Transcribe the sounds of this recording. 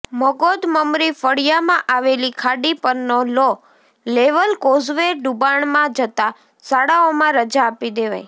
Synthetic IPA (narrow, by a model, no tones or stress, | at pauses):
məɡod̪məmɾifəɽijamãʔaʋelikʰaɖipəɾnolo | leʋəlkozʋeɖubaɳmãd͡ʒət̪a | saɽaomãɾəd͡ʒaːpid̪eʋa̰j